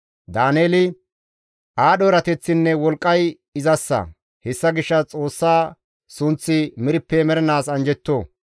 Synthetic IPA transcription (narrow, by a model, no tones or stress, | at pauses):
d̪aːneːlɪ | ʔaːɗɔɾɐt̪ɛt͡sːɪnːɛwɔlkʼːɐj | ɪzɐsːɐ̰ | hɛsːɐɡɪʃːɐt͡sʼoːsːaː | sʊnt͡sːɪmɪɾɪpːɛmɛɾɛnaːsɐnd͡ʒɛt̪ːoː